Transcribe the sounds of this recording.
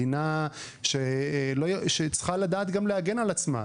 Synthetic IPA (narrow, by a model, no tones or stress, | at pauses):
ina | ʃeloʃet͡sχalad̪aːt̪ɡamleaɡe̞nalat͡sma̰